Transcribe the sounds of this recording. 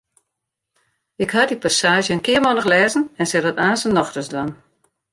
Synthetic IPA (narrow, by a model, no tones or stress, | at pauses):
ɪkhadipasaːʒjəənkɪəmɔnəxlɛːzən̩ɛnsɛdɔtaːnsənːɔxtəsdwan